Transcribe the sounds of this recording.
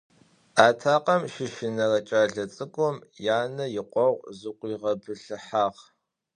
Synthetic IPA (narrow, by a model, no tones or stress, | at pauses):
aːtʰaːqɐmʃɪʃɪnɐrɐt͡ʃʼaːɮɐt͡sʼɨkʷʼʊmjaːnɐjɪqʷɔʁʷzɨqʷiːʁɐbɨɬɨħaːʁ